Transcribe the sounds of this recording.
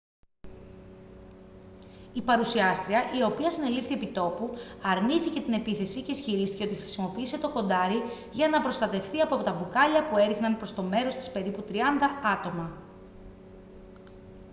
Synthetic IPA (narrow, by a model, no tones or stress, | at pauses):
ipɐɾusiɐst̪ɾiɐʔio̞piɐsine̞lift̪iepit̪o̞puɐɾniθice̞t̪ine̞piθe̞sice̞isçiɾist̪i̥ceo̞t̪ixɾi̥simo̞piise̞t̪o̞ko̞nd̪ɐɾi | ʝɐnɐpɾo̞st̪ɐt̪e̞fθiɐpoɐpot̪ɐbukɐʎɐpue̞ɾixnɐnpɾo̞st̪o̞me̞ɾo̞st̪i̥spe̞ɾiput̪ɾiɐnd̪ɐɐt̪o̞mɐ